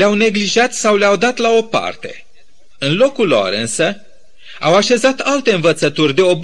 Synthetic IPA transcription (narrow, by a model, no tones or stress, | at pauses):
leawne̞ɡliʒat̪sawleawd̪at̪lao̞pa̰rt̪e̞̰ | ɨnlo̞kulo̰ɾɨnsə | awaʃe̞zat̪alt̪e̞ɨnvət̪sət̪urʲd̪e̞o̞b